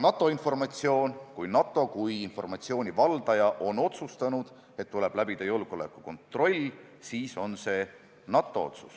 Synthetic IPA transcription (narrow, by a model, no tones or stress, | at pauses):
nɑt̪ːˑo̞info̞rmɑt̪ʲsio̞ːnkujnɑt̪ːˑo̞kujinfo̞̰rmɑt̪sio̞ːnʲivɑld̪̥ɑjɑʔo̞no̞t̪sust̪ɑnud̪̥ | e̞t̪ːuleb̥læbid̪t̪ɑjolɡ̥o̞le̞̰kːˑuko̞nt̪ro̞lʲː | siːso̞nse̞ː | nɑt̪ːˑo̞o̞̰t̪su̥s